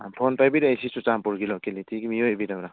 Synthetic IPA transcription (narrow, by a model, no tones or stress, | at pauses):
pʰonpajbiɾaisisut͡ʃampuɾɡilɔkelitiɡimijobidamɾa